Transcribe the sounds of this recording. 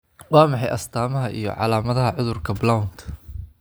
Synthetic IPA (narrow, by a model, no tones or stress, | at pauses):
wɑːmɑħɑjʔɐst̪ʰaːmɐɦɐʔijɞ̰ʕɑ̰laːmɐðɐɦɐʕʊðʊrkʰɐblawnt̪ʰ